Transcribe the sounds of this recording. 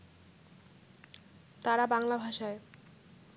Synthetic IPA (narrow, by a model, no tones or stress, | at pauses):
t̪aɾabaŋlabʱaʃae